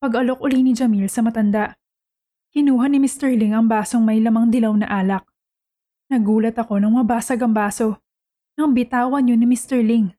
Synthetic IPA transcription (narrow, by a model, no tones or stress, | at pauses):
pɐɡɐlok̚ʔʊlinɪd͡ʒɐmilsɐmɐt̪ɐnd̪aʔ | hɪnuːɦɐnɪmɪst̪ɛɹlɪŋɐŋbaːso̞ŋmɐjlɐmɐŋd̪ɪlɐwnɐ̰ʔaːlɐk̚ | nɐɡuːlɐt̪ɐko̞nɐŋmɐbaːsɐɡɐŋbaːso̞ | nɐŋbɪt̪aːwɐnɲonɪmɪst̪ɛɹlɪŋ